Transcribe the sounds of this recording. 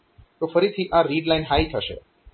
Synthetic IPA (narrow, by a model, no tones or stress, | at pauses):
t̪ofəɾit̪ʰiʔãɾiɖlajnɦajt̪ʰəʃḛ